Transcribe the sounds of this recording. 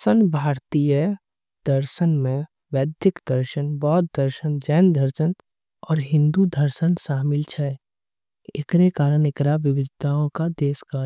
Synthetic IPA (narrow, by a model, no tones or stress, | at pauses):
sənbʱaːɾt̪ijə | d̪̥əɾʃənmẽ | ʋɛːd̪ɪkd̪əɾʃənbɔːt̪̚d̪əɾʃənd͡ʒɛːnd̪ʱəɾʃən | ɔːɾɦɪ̃nd̪ud̪ʱəɾʃənʃaːmɪlt͡ʃʰɛ | ɪkɾekaːɾənɪkɾaʋɪʋɪd̪t̪aõkad̪eːskaːɾ